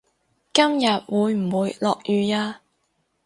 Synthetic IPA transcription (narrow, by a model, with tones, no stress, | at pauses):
kɐ˥mjɐ˨t̚wuː˨˧jm̩˨˩wuː˨˧jlɔː˨k̚jyː˨jaː˧